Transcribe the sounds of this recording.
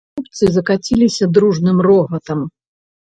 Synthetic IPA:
upt̪sɨzɐkat͡sʲilʲisʲɐd̪ɾuʐnɨmrɔɣɐt̪ɐm

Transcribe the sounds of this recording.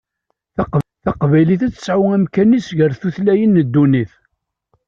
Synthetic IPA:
θɑqθɑqvæjliθæt͡sːə̥sʕʊæmkænisʝəɾθuθlæjənːəd̪ːuniθ

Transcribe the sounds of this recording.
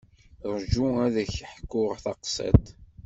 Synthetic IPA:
ɾˤʒuæðæçħkːʊʁθɑqsˤɑ̰t̪

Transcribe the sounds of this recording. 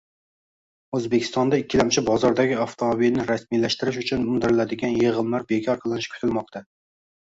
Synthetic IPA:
øzbɪkʲʰi̥st̪ɑnd̪ɛikʲːilæmt͡ʃʰɪbɑzɑɾd̪ɛɡʲiɑft̪ʰomobilnɪɾɛsmilæʃt̪ɪɾɪʃyt͡ʃʰynund̪ɪɾɪlæd̪ɪɡʲɛnjeʁəmlˠæɾbekʲʰɑɾqʰəlˠɨnɪʃkʲʰy̥t̪ʰɪlˠmɑqt̪ʰɑ

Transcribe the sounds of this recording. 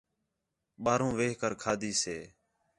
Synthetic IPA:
ɓaːɾõːʋeːɦkəɾkʰaːd̪ʱiːseː

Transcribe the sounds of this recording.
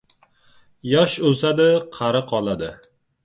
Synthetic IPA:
jɒʃozad̪ɪqʰɑɾɪqʰɒlˠad̪ɪ

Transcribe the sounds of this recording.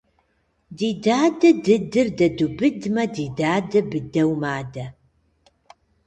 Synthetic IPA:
diːdaːdɨdɨdɨrdɐdubɨdmɐdiːdaːdɨbɨdɐwmaːdɐ

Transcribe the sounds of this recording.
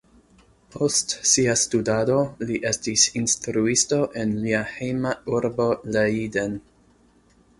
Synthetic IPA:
pʰo̞stsiastudado̞liʔe̞stisinstɾuisto̞ʔe̞nliahejmauɾbo̞leiden

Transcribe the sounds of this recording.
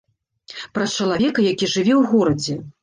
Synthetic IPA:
pɾɐst͡ʂɐlˠavʲɛkɐjakʲiʐɨvʲɛwɣɔɾɐd͡zʲɛ

